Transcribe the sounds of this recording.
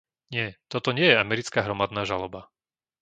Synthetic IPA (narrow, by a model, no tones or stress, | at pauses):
ɲɪɛt̪ɔt̪ɔɲɪɛjɛamɛɾit͡skaːɦɾɔmad̪naːʒalɔba